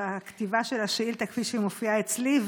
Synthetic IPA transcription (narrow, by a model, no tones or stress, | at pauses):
akt̪ivaʃelaʃeilt̪akfiʃimofiaet͡sliv